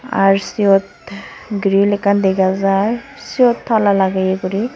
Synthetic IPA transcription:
a̰ɹsiɔt̪̚ | ɡɾilɛkand̪eɡazaj | siɔt̪ʰːalalaɡajeɡuɾi

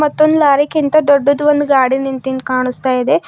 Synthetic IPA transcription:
mɐt̪ːond̪ulaːɾikint̪ɐd̪oɖːod̪uʋond̪uɡaːɽinint̪inkaːɳust̪aːjid̪e

